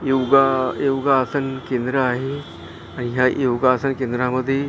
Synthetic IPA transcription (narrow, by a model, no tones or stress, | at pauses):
joɡajewɡaːsənkẽnd̪ɾəaɦe | añiɦajowɡaːsənkẽnd̪ɾaməd̪ʱːje